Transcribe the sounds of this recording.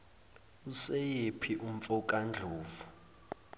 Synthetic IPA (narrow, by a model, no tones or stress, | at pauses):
usejepʰiʔum̩fɔkʼand͡ɮʱuːvu